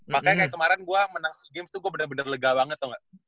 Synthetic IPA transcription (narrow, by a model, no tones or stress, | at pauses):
makajkajakəmaɾɛnɡuamənasiɡɪmst̪uɡuabənəbənərləɡawaŋət̪̚ːaŋɡaʔ